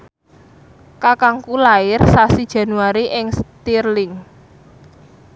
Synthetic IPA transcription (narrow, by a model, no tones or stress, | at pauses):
kakaŋkulaɪrsasid̥ʒ̥ä̤nuaɾiʔɪŋst̪irlɪŋ